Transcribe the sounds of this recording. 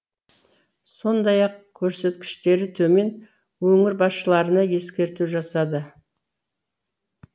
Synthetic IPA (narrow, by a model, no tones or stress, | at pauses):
so̞nd̪ɑjɑqkʲʰɵɾse̞t̪kʲɪ̥ʃt̪e̞ɾɪt̪ʰɵme̞n | wɵŋɪɾbɑsʃəlˠɑɾənɑje̞skʲe̞ɾt̪uʒɑsɑd̪ə